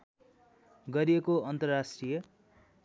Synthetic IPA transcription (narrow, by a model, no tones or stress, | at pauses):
ɡʌɾiekoʌnt̪ʌrːasʈrijʌ